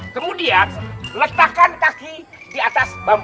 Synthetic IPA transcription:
kəmudianlət̪akankaki | diat̪asbam

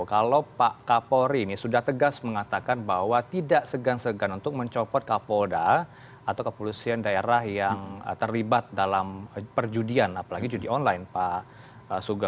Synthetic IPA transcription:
kalowpaʔkapoɾiːnisudaht̪əɡasməŋat̪akanbaɦwat̪idaʔsəɡansəɡanunt̪ʊk̚məɲt͡ʃɔpɔt̪̚kapoda | at̪awkəpolusiandaeɾahjaŋə̰t̪ərlibat̪̚dalampərd͡ʒudianapalaɡid͡ʒudiɔnlajnpa | əsuɡa

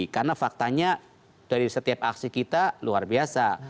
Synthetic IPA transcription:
karnafak̚t̪aɲa | d̥aɾisət̪iap̚a̰ksikit̪aluarbiasa

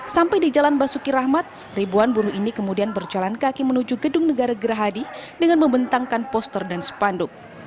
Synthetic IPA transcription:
sampajdid͡ʒalanbasukiɾahmat̪̚ | ribuanbuɾuʔinikəmudianbərd͡ʒalankakimənud͡ʒuɡədʊŋnəɡaɾaɡəɾaɦadidəŋanməmbənt̪aŋkanpɔst̪ərdansə̥pandʊk̚

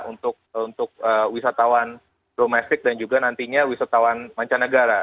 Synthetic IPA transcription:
unt̪ʊk̚unt̪ʊk̚əːwisat̪awan | domɛst̪ɪk̚dand͡ʒuɡanant̪iɲawisat̪awanmaɲt͡ʃanəɡaɾa

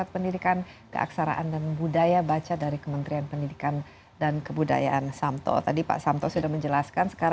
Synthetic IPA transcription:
at̪̚pəndidikankə̰ʔa̰ksaɾa̰ʔandanbudajabat͡ʃadaɾikəmənt̪ɾianpəndidikan | dankəbuda̰jaʔansamt̪ɔ̰t̪adipa̰ʔsamt̪ɔsudahməɲd͡ʒəlaskansə̥kaɾ

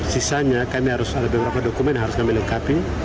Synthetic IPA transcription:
sisaɲakamiɦaɾusadabɛməɾapadɔkumɛnɦaɾʊskamilɛŋkap̪i

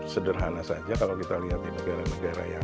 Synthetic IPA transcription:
sədərɦanasad͡ʒakalawkit̪aliɦat̪̚dinəɡaɾanəɡaɾa̰ja

